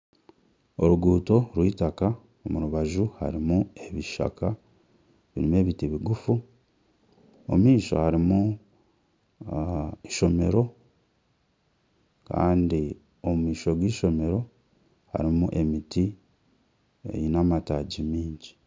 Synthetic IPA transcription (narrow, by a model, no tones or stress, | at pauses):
o̞ɾuɡuːto̞ɾwiːtaka | omuɾuβaʒuha̰ɾimue̞βiʃa̰kʰa | βḭɾime̞ːβitiβiɡufu | o̰miːʃo̞̰haɾimu | iʃo̞me̞ɾo̞ | ka̰ːndi | o̞mmiːʃo̞ɡwiːʃo̞me̞ɾo̞ | ha̰ɾimuʔe̞miti | ḛjinamataɟimiːɲɟi